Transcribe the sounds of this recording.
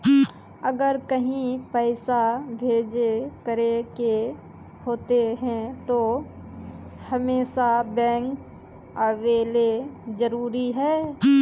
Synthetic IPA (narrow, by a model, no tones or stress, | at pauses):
əɡəɾkəɦĩpəɪsabʱeːd͡ʒekəɾeke | hoːt̪eɦɛ̃t̪o | hɐmeːʃabɛ̃ːŋk | əʋeːled͡ʒəɾuːɾiɦɛː